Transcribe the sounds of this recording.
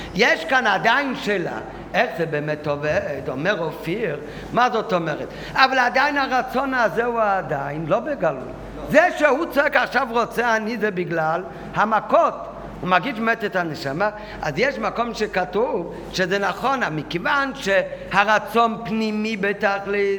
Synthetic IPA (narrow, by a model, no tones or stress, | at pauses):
jeʃkanad̪ajnʃela̰ | ɛχzɛbɛmɛtovɛtɔmɛʁɔfiʁ | mazɔtɔmɛʁɛt | avalad̪aɪnaʁat͡sɔnazɛuadajɪnlobeɡalṵj | zɛʃehut͡sɔɛkaχʃavʁɔt͡sɛanizɛbɪɡlal | hamakɔt | umaɡiʃmɛtɛthanɛʃama | azjɛʃmakɔmʃekatuv | ʃezɛnaχɔnamikevanʃehaʁat͡sɔnpnimibɛtaχli